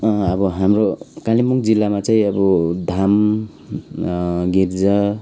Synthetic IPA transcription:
abɔɦamɾokalimuŋd͡ʒilːamat͡sajabɔd̪ʱam | ɡiɾza

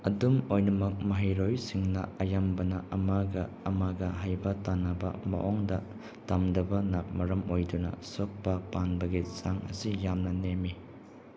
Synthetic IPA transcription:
ɐdumojnɐmɐk̚mɐɦijɾojsiŋnɐ̰ɐjambɐnɐʔɐmaɡɐːmaɡɐɦajbɐtanɐbɐ̰mɐ̰ʔɔŋdɐ | tamdɐbɐnamɐɾɐmojdunɐ̰sok̚pɐpanbɐɡisaŋɐ̰sijamnɐnemi

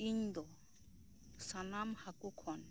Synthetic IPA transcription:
iɲd̪ɔ | sanamhakukʰɔn

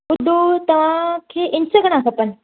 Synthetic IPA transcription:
ud̪ʱot̪ɐʋ̤ãkʰeʔɪnsəɡəɽ̃ãkʰəpən

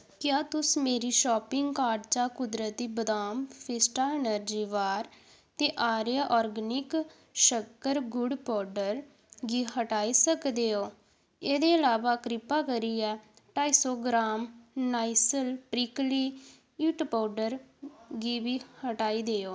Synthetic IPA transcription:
kjãːt̪ʊsmeːɾiːʃɔːpɪŋɡkaːɖt͡ʃaːkʊd̪ɾət̪iːbəd̪aːmpʰɪsʈaːɪnəɾd͡ʒiːʋaːɾ | t̪eːʔaːɾjaːʔɔːɾɡənɪk | ʃəkːəɾɡʊɖpɔːɾɖəɾ | ɡiːɦəʈaːiːsəkd̪eːoː | eːd̪eːəlaːʋaːkɾɪpaːkəɾiːɛː | ʈaːiːsɔːɡɾaːmnaːisəlpɾiːkliː | iːʈpɔːɖəɾɡiːʋiːhəʈaːiːd̪eːoː

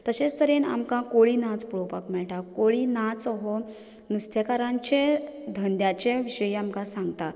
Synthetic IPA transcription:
t̪əɕet͡st̪əɾena̰mkãkoɭiːnat͡spuɭopakmɛɭʈakoɭiːnat͡sɔɦɔ | nust̪ʰjekaɾãɲt͡ɕed̪ʱənd̪jat͡ɕeʋiɕəjamkãsãŋɡt̪a

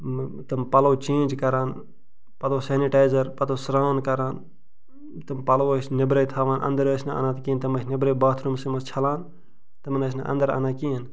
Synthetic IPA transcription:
t̪ɐmpɐloːt͡ʃẽːnʲd͡ʒkɐɾaːn | pɐt̪oːseːniʈaːjzɐɾpɐt̪oːsɾaːnkɐɾaːn | t̪ɨmpɐloːsnɐbɾɐjt̪ʰaːʋaːnʔɐ̰̃nd̪əɾoːsnea̰ːnãːt̪kiːnt̪ɐmɐsnɐbɾebaːt̪ʰɾumsimɐst͡ʃʰɐlaːn | t̪ɐmnɐs̬na̰ʔɐ̰nd̪ɐɾa̰ːnaːkiːən

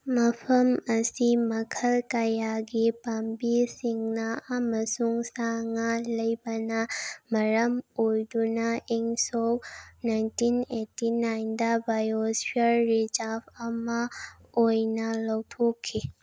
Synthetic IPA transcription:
mɐfʰɐməsimɐkʰəlkajaɡepampisiŋnaaməsuŋsaŋaləjbɐnamɐɾəmojd̪unaʔiŋsownajntinetinajnd̪abajoswjəɾːid͡ʒafama | ojnaləwt̪ʰokʰːe

